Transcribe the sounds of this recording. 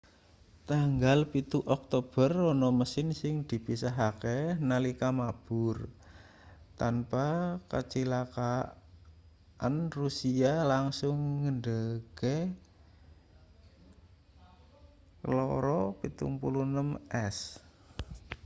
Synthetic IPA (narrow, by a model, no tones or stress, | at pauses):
t̪aŋɡalpit̪uʔɔk̚t̪ob̥ərɔnɔməsɪnsɪŋd̪̥i̤pisaɦakenalikamab̥ʊr | t̪anpakat͡ʃilaka | ʔanrusialaŋsʊŋːəɳdəɡ̥e | kəlɔɾɔpit̪ṵŋpulunəmɛs